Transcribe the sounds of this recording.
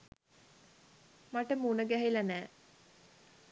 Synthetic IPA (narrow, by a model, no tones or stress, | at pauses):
maʈəmunəɡæɦilɐnæː